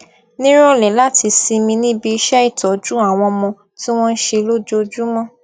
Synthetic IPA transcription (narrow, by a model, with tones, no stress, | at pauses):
nĩ˦ɾ̃ɔ˦˧lɛ˨la˦ti˧si˧mĩ˧nĩ˦bi˧i˧ʃɛ˦i˦˨tɔ˨d͡ʒu˦a˦˨w̃ɔ̃˧mɔ̃˧ | ti˦w̃ɔ̃˦n̩˦ʃe˧lo˦d͡ʒo˦d͡ʒu˦mɔ̃˦